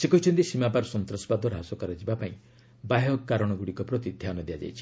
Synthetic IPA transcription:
sekɔɦit͡ʃʰɔnt̪isimapaɾɔsɔnt̪ɾɔsɔ̥bad̪ʱɔɾaɦasɔkaɾɔd͡ʒibapaĩ | baɦjɔkːaɾɔɽ̃ɔɡuɽikɔpɾɔt̪id̪ʱjanɔd̪ijad͡ʒa̰jt͡ʃʰi̥

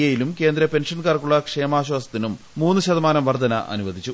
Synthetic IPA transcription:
ɐjilumke̞ːnd̪ɾɐpe̞nʂɐnkaːrkuɭːɐkʂe̞ːmaːɕwaːsɐt̪ːinumːuːnːɨɕɐðɐmaːnɐmʋɐrd̪ʱɐnɐ̰ʔɐ̰nuʋɐd̪ʱit͡ɕːu

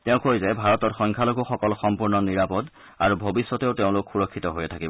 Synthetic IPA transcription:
teʊ̃kojzɛbʱaɹɔtɔtxɔŋkʰaloɡɔxɔkɔlxɔmpuɹnɔniɹapɔd | aɹubʱobisːɔtɛʊteʊ̃lokxuɹɔkʰːitɔɦojɛtʰakibɔ

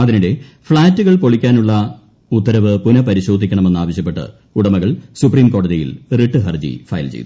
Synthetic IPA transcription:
d̪iniɽe̞ | fɭaːtːuɣɐɭpo̞ɭikʲːaːnuɭːɐ | ut̪ːɐɾɐʋɨpunɐpɐɾiɕo̞ːd̪ʱikʲːɐɳɐme̞nːaːʋɐɕjɐpːe̞ʈːɨ̰ | uɽɐmɐɣɐɭsupriːmko̞ːɽɐðijḭlriʈːɨɦɐrd͡ʑḭfɐ̰jɐ̰lt͡ɕḛjd̪

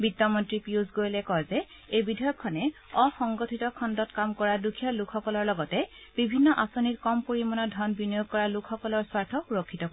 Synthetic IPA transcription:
bidɔmɔntɹipiuzɡojlɛkɔzɛ | ejbidʱɔjɔkʰːɔnɛɔxɔŋɡɔtʰitɔkʰɔndɔtkamkɔɹadukʰijɔlukʰːɔkɔlɔɹlɔɡɔtɛ | b̥ibʱinːɔʔasonitkɔmpoɹimɔnɔdʱɔnbinɔjoɡ̚kɔɹalukʰxɔkɔlɔɹswaɹtʰɔuɹokʰːitɔkɔ

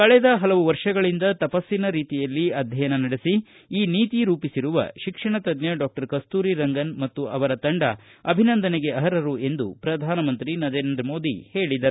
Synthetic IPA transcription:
kɐɭɛd̪ɐɦɐlɐʋuʋɐɾʂɐɡɐɭind̪ɐt̪ɐpɐsːinɐɾiːt̪ijɐlːiɐd̪ʱjɐjɐnɐnɐɽisi | iːniːt̪iɾuːpisiɾuʋɐ̰ʃikʂɐɳɐt̪ɐd̪njɐɖaːk̚ʈɐɾkɐst̪uːɾiɾɐŋɡɐnmɐt̪ːuɐʋɐɾɐt̪ɐɳɖɐ̰ɐbʱinɐnd̪ɐneɡe̞ɐɦɐɾɐɾue̞nd̪ṵpɾɐd̪ʱaːnɐmɐnt̪ɾinɐd̪eːnnd̪ɾmo̞ːd̪ḭhe̞ːɭid̪ɐɾu

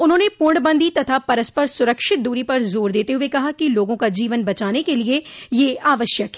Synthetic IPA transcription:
ʊnɦõːnepʊɳɖbə̃nd̪ʱit̪ɐt̪ʰapɐɾəspəɾsʊɾəkʃɪt̪̚d̪uːɾipɐɾzoːɾd̪eːt̪eɦʊekɐɦakiloːɡõkad͡ʒiːʋənbɐt͡ʃaːnekeliejeaːʋəʃjəkɦɛ

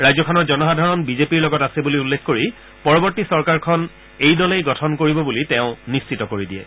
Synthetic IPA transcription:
ɹajzɔkʰɔnɔzɔnɔɦadʱaɹɔnbizepiɹlɔɡɔtasɛbuliulːekʰkoɹi | pɔɹɔbɔɹtisɔɹkaɹkʰɔn | ejdɔlejɡɔtʰɔnkoɹibɔbulitẽʊ̃nist͡ʃitɔkoɹidijɛ̰

